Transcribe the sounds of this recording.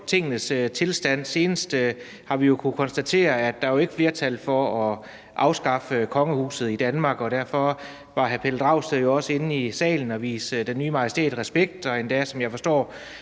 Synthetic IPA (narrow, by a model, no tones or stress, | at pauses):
t͡sʰe̝ŋ̰ənəst͡sʰe̝lsd̥æn̰se̝ːnəsd̥ | hɑ̈ʋijo̝kʰukʰɒ̽nsd̥æt͡sʰe̝̰ːɐæd̥ːɑ̈æjoe̝ɡ̥ə̥fle̝ːɐt͡sʰælfɒ̽ɒ | ʔɑ̈ʊsɡ̥ɑ̈fəkʰɒ̽ŋəhṵːsð̩ˠid̥ænmɑ̈ːɡ̥ɒ̽ɾ̥æɐ̰fɒ̽ | ʋɑ̈ɦæɐpʰeld̥ʁɑ̈ʊsejo̝ɒ̽səe̝n̩isɛ̰ːln̩ɒ̽ʋḭːsd̥enːyːmɑ̈jəsd̥e̝̰ːd̥ʁɛsb̥eɡ̥̚d̥ɒ̽e̝nd̥æsɒ̽mjɑ̈ɪfɒ̽sd̥ɒ̰ː